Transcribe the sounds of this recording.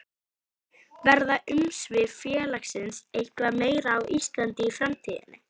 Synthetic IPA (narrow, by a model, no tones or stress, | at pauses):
vɛɾðaʔʏmsvɪfjɛːlaxsɪnsejhkvameːjɾaːwʔist̪lant̪ɪːfɾamt̪ʰiːðɪ̰nːɪ̰